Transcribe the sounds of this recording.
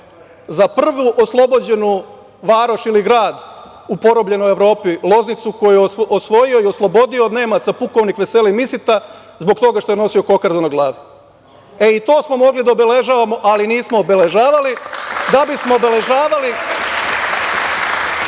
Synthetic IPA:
zapr̩ʋuʔoslˠo̞bo̞d͡ʑe̞nu | ʋaːɾoʃiliɡɾaːd̪ | upo̞ɾo̞bʎe̞no̞je̞ʋɾo̞ːpilˠo̞znit̪suko̞jujosʋo̞jio̞io̞slˠo̞bo̞d̪io̞d̪ne̞ːmat̪sapuko̞ʋnixʋe̞se̞limisit̪a | zbo̞kt̪o̞ɡaʃt̪o̞jeno̞sio̞ko̞kaɾd̪unaɡlˠaːʋi | eit̪o̞ːsmo̞mo̞ɡlid̪aobele̞ʒaːʋamo̞ʔaliniːsmoːbele̞ʒaːʋalid̪abismoːbe̞le̞ʒaːʋali

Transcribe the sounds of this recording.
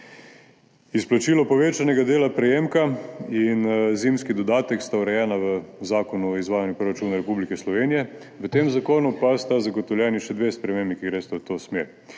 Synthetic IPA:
isplat͡ʃiːlɔpɔʋeːt͡ʃanɛɡad̪eːlapɾɛjeːmkainziːmskid̪ɔd̪aːt̪ɛkst̪auɾɛjɛːnaʋəzaːkɔnuizʋaːjanjupɾoɾat͡ʃuːnaɾɛpublikɛslɔʋeːnijɛ | ʋət̪eːmzakoːnupast̪azaɡɔt̪ɔwlʲjɛːniʃɛd̪ʋeːspɾɛmeːmbikiɡɾeːst̪ɔt̪osmeɾ

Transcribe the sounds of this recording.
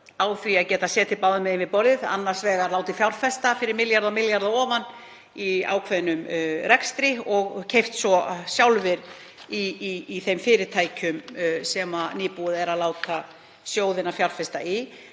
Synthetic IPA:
aːwθiaðcɛːt̪asɛːt̪ɪpaːwðʏmɛðemvɪpɔɾðɪða̰nːaɾ̥svɛːɣaɾlaːwt̪ɪfjawɾfɛst̪afɪɾɪɾmɪljaɾðamɪljaɾðaɔːvanː | ia̰ːwkʰvɛðnʏmɾɛkst̪ɾɪɔɣcʰejft̪svɔsjawlvɪɾ | iːθejmfɪːɾɪ̥t̪ʰajcʏmsɛmaniːpuðɛɾaðlaːwt̪ʰa | sjoːwðɪnafjawɾfɛst̪ai

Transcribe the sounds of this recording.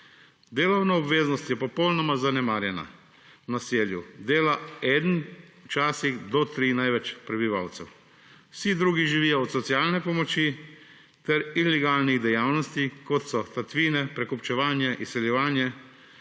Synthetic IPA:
d̪eːlɔwnaɔbʋeːznɔst̪jɛpɔpɔwlnɔmazanɛmaːɾjɛna̰ | naseːljud̪eːlaɛːd̪n̩wt͡ʃaːsiɣd̪ɔt̪ɾiːnajʋɛt͡ʃpɾɛbiʋaːwt̪sɛw | wsid̪ɾuːɡiʒiʋiːjɔɔt̪sɔt̪sjaːlnɛpɔmɔt͡ʃi | t̪ɛɾilɛɡaːlniɣd̪ɛjaːwnɔst̪ikɔt̪sɔt̪at̪ʋiːnɛpɾɛkɔpt͡ʃɛʋaːnjɛʔisːɛljɛʋaːnjɛ

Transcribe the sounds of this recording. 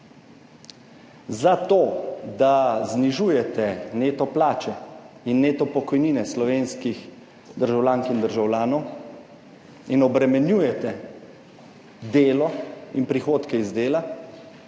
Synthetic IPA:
zat̪oːd̪azniʒuːjɛt̪ɛneːt̪ɔplaːt͡ʃɛinːeːt̪ɔpɔkɔjniːnɛslɔʋeːnskix | d̪əɾʒawlʲaːŋkind̪əɾʒawlʲaːnɔw | inɔbɾɛmɛnjuːjɛt̪ɛ | d̪eːlɔinpɾixoːt̪kɛizd̪eːla

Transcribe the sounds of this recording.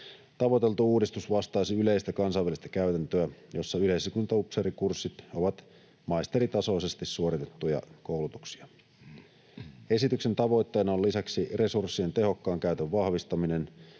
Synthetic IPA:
t̪ɑʋot̪e̞lt̪uuːdist̪usʋɑst̪ɑːsiyle̞ist̪ækɑnsɑjʋælist̪æ̥kæyt̪ænt̪øæjo̞sːɑyleisikunt̪ɑupseɾikursːit̪oʋɑt̪ | mɑjst̪e̞ɾit̪ɑso̞isest̪isːuoɾit̪et̪ːujɑ̰kowlut̪uksi̥ɑ | e̞sit̪ykse̞nt̪ɑʋo̞jt̪ːe̞ːnɑolisæksire̞sursːie̞nt̪e̞ɦo̞kːɑːŋkæyt̪øʋʋɑhʋist̪ɑminen

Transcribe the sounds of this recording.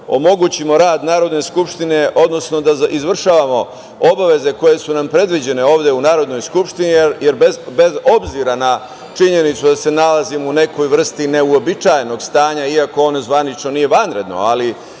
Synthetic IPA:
o̞̰mo̞ɡut͡ɕimo̞ɾaːd̪naːɾo̞d̪ne̞skupʂt̪ine̞ʔo̞d̪no̞sno̞d̪aʔizʋr̩ʃaːʋamo̞ | o̞baʋe̞ze̞ko̞je̞sunampɾe̞d̪ʋid͡ʑe̞ne̞o̞ːʋd̪eunaːɾo̞d̪nojskupʃt̪inijeɾbezbe̞zo̞bziɾana | t͡ʃiɲe̞nit̪sud̪ase̞nalazimune̞ko̞jʋr̩st̪ine̞uo̞bit͡ʃajeno̞ɡst̪aːɲaiako̞onozʋanit͡ʃno̞nije̞ʋanɾe̞d̪no̞̰ali

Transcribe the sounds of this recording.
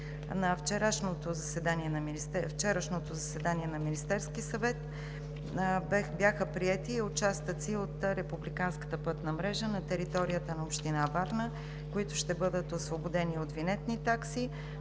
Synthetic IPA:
nɐft͡ʃɛɾaʃnot̪ozɐsɛd̪aniɛnɐmiiɛft͡ʃɛɾəʃnot̪ozɐsɛd̪aniɛnɐminist̪ɛɾskisɐvɛt̪ | bjaxəpɾiɛt̪iːʊt͡ʃast̪ət̪siot̪ɾɛpublikanskə̥t̪əpɤt̪nəmɾɛʒənɐt̪ɛɾit̪ɔɾijət̪ənɐopʃt̪inavaɾnə | koit̪ʊʃt̪ɛbɤd̪ət̪osvobod̪ɛniot̪vinɛt̪nit̪aksi

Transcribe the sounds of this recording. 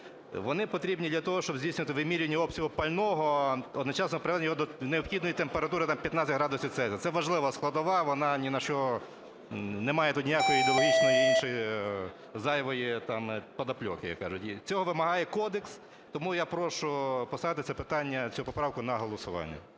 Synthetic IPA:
ʋɔnɪpɔt̪ɾʲibnʲid̪lʲɐt̪ɔɦɔʃt͡ʃɔbzʲijsʲnʲʊʋɐt̪ɪʋɪmʲiɾʲnʲːɐɔbpsʲɐɦʊpɐlʲnɔɦɔɔd̪nɔt͡ʃɑsnɔpɾeʋɛd̪nʲjɔɦɔd̪ɔneɔpxʲid̪nɔjit̪empeɾɐt̪uɾɪt̪ɑmpʲjɐt̪nat͡sʲɐtʲɦɾɑd̪ʊsʲit̪sɛzʲɐt̪sɛʋɐʒlˠɪʋɐsklˠɐd̪ɔʋɑʋɔnɑnʲinɐʃt͡ʃɔ | nemɑjɛt̪ut̪ʲnʲijakɔjɔid̪eɔlˠɦʲit͡ʃnɔjiinʃɔji | zɑjʋɔjit̪ɑmpɐd̪ɐplʲɔkɪja̰kːɑ̰ʒʊtʲit͡sʲɔɦɔʋɪmɐɦɑjɛkɔd̪eks | t̪ɔmujapɾɔʃʊpɔst̪ɑʋɪt̪ɪt̪sɛpɪt̪ɑnʲːɐt͡sʲʊupɔpɾɑwkʊnɐɦɔlˠɔsʊʋɑ̰nʲːɐ̰

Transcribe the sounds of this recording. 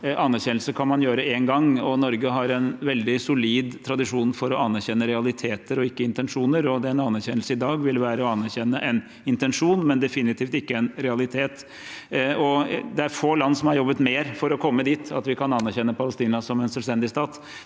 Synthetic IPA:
ɑnːæɾçɛnlsəkʰɑnmɑnjøːɾəɛŋɡɑŋɔnɔɾɡəɦɑɾɛnʋɛld̪ɪsʊliːd̪t̪ʰɾɑd̪ɪʂuːnfɔɾɔɑnːæɾçɛnːəɾɛɑlɪt̪ʰeːt̪əɾɔɪkːəɪnt̪ɛnʂuːnəɾɔd̪ɛɛnɑnːæɾçɛnːəlsəɪd̪ɑːɡʋɪlʋæːɾəɔɑnːæɾçɛnːəʔɛn | ɪnt̪ɛnʂuːnmɛnd̪ɛfɪnɪt̪ʰiːft̪ɪkːəɛnɾɛɑlɪt̪ʰeːt̪ | ɔd̪ɛæɾfoːlɑnːsɔmɑɾjɔbːət̪meːɾfɔɾɔkʰɔmːəd̪iːt̪ʰɑt̪ʋɪkʰɑnɑnːæɾçɛnːəpʰɑləst̪iːnɑsɔmɛnsœlst̪ɛnd̪ɪst̪ɑːt̪

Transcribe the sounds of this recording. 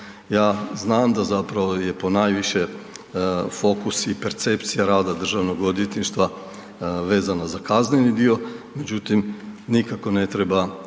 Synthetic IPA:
jaːznaːmd̪azapɾaʋojepo̞najʋiʃɛ | fo̞kusipeɾt̪sept̪sijaɾaːd̪ad̪r̩ʒaʋnoɡod̪it̪niʃt̪ʋa | ʋeːzanazakaznenid̪iome̞d͡ʒut̪imnikako̞net̪ɾeba

